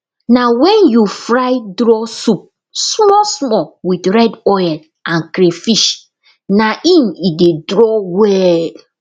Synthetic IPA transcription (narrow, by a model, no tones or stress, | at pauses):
nawɛ̃njufɾaɪdɾɔsup̚ | smɔsmɔwidɹɛdɔjɛn | ʔãnkɾefiʃ | naʔĩnidedɾɔwɛ